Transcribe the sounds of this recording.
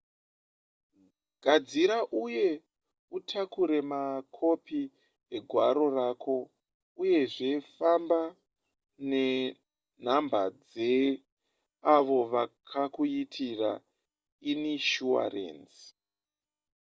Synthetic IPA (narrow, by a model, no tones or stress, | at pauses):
ɡ̥ʱad͡ziɾaʔuje̞ | utʰakuɾe̞makʰo̞pi | eɡʱwaɾo̞raːkʰo̞ | uje̞ʐe̞famba | ne̞ | n̤ambad͡ze | aʋo̞ʋakʰakuitʰira̰ | iniʃua̰rḛːnsi̥